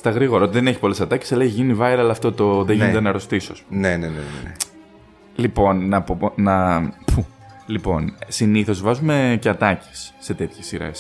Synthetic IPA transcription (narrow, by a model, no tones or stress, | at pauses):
st̪ɐɣɾiɣo̞ɾɐot̪iðeneçipo̞le̞sɐt̪ɐce̥sɐlɐçʝinivɐiɾɐɐlɐːft̪ot̪o̞ðeʝinet̪enɐɾo̞st̪isoɐsponenenenḛe | lipo̞nnɐponɐpʰu | lipo̞nsiniθo̞zvɐzume̞cɐt̪ɐce̥sːe̞t̪e̞t̪çesiɾḛs